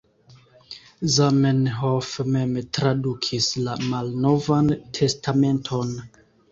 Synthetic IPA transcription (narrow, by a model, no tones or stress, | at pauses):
zamenɦofme̞mtɾadukʰislamalno̞vantʰe̞stʰame̞ntʰo̞n